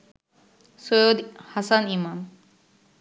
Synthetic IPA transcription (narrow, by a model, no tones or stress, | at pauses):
sojod̪hasanimam